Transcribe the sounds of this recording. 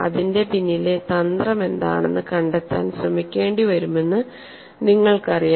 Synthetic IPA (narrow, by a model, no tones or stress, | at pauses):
ɐ̰ðinde̞pinːile̞t̪ɐnd̪rɐme̞nd̪a̰ːɳe̞̰nːɨkɐɳɖet̪ːa̰ːnsrɐmikʲːe̞ːɳɖiʋɐɾume̞nːɨ | niŋːɐɭkɐrija